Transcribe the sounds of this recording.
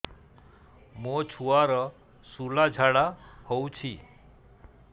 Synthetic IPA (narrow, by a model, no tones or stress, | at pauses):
mot͡ʃʰuaɾɔ | sulad͡ʒʱaɽahowt͡ʃʰi